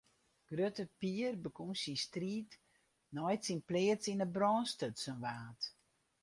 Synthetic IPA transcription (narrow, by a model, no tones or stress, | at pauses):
ɡ̥røtəpiərbəkunsinstriːt | nɔjtsinplɪətsinəbrɔːnstətsənʋaːt